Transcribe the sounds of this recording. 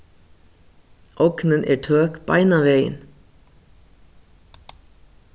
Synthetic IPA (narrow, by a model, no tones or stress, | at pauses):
ʔɔknənʔeːɹtʰøːkb̥ɑ̰ɪnaʋeɪə̰n